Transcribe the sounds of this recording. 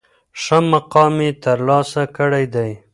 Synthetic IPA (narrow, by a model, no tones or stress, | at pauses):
ʂamːaqɑmet̪əɾlɑsakəɽajd̪aj